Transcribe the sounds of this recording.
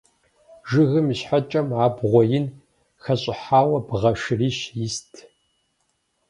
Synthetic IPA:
ʒɨɣɨmɕħat͡ʃʼɐmaːbʁʷɔjɪn | xɐɕʼɪħaːwɐbʁɐʂɨriːɕjɪstʰ

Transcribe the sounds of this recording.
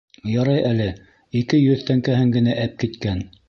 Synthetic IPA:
jɑɾɑjʔælɘ | ikɘjɵðt̪æŋkæɦɘŋɡɘ̆næʔæp̚kit̪kæn

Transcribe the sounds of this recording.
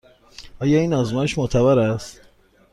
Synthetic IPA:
ɒːjɒːiːnɒzmɒːjeʃmoʔt̪ʰævæɾæst̪

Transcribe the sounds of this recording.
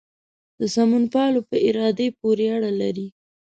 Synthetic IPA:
d̪̥əsamunpɑlopəɪɾɑd̪epoɾeaɽalaɾi

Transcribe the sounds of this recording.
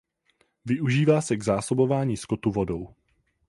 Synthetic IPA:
vɪʔuʒiːvaːsɛɡzaːso̞bo̞vaːɲiːskot̪uvo̞do̞w

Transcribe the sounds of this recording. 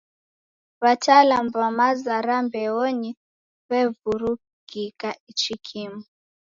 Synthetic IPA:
βatʰalambamazaɾambɛɔɲi | βɛvuɾu | ɡ̥ikait͡ʃikʰimu

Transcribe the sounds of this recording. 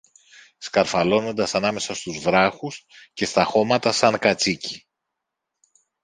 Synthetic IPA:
skɐɾfɐlo̞no̞nd̪ɐsɐnɐme̞sɐst̪uzvɾɐxusce̞st̪ɐxo̞mɐt̪ɐsɐŋkɐt͡sici̥

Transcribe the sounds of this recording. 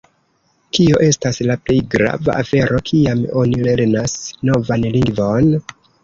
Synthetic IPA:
kio̞ʔe̞staslaple̞jɡɾa̰va̰ʔafe̞ɾʔo̞kʰiamo̞nile̞ɾnasno̞vanliŋɡvo̞n

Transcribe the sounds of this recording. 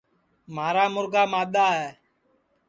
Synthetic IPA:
maːɾaːmʊɾɡaːmaːɗ̪aːɦɛː

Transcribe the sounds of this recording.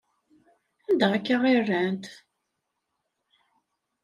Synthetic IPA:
ænd̪əʁækːaʁɪrːænt̪

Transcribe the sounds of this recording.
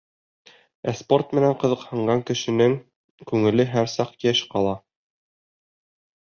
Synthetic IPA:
æspo̞rt̪mɘ̆næɴqɤ̆ðɤ̆qhɤ̆ɴɢɑŋkɘ̆ʃɘ̆nɘŋ | kʉŋɘ̆lɘɦæɾsɑqjæʃqɑlˠɑ

